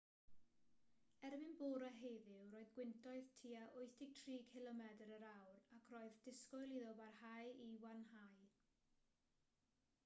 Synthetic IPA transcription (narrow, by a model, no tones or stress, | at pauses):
ɛrvɪnboːɾaɦejðɪwroːɨðɡwɪntʰɔɨðtʰiːaʔʊɨθdɪɡ̚tʰriːkʰɪlˠɔmɛdəɾəɾawrakʰroːɨðd̥ɪskɔɨlˠiðɔbarhajiwanhaj